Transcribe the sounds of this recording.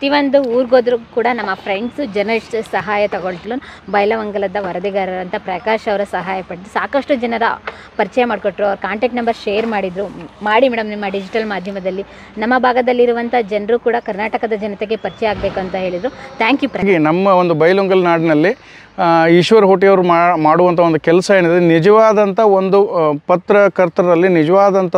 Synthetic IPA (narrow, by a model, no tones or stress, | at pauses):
ɐt̪iʋɐnd̪uuːɾɡoːd̪ɾukuːɽɐnɐmːɐpʰɾeɳɖsud͡ʒɐɾnɐlisʈsɐɦaːjɐt̪ɐɡoɭt̪lubɐjlɐʋɐŋɡɐlɐd̪ɐʋɐɾɐd̪iɡɐɾɐɾɐnt̪ʰɐpɾɐkaːʃɐʋɐɾɐsɐɦaːjɐpɐɽd̪usaːkɐʂʈud͡ʒɐnɐɾɐ | pɐɾit͡ʃɐjɐmaːɖkoʈːɾuɐʋɾkaːɳʈek̚ʈnɐmbɐɾʃeːjɐɾmaːɽid̪ɾumaːɽimɛːɽɐmnimːɐɖid͡ʒiʈɐlmaːd̪ʱjɐmɐd̪ɐlːi | nɐmːɐbʱaːɡɐd̪ɐlːiɾuʋɐnt̪ʰɐd͡ʒɐnɾukuːɽɐkɐɾnaːʈɐkɐd̪ɐd͡ʒɐnɐt̪eɡepɐɾit͡ʃɛjaːɡɐbeːkuɐnt̪ɐɦe̞ːɭid̪ɾut̪ʰaːŋkjuːpɾɐɡinɐmːɐond̪ubɐjluŋɡɐlnaːɖinɐlːi | iʃʋɐɾɦoːʈijɐʋɐɾumaːɽuʋɐnt̪ʰɐond̪ukɛlsɐeːɳid̪ɐenid͡ʒɐʋaːd̪ɐnt̪ʰɐond̪upɐt̪ɾɐkɐɾt̪ɾɐd̪ɐlːinid͡ʒɐʋaːd̪ɐnt̪ʰɐ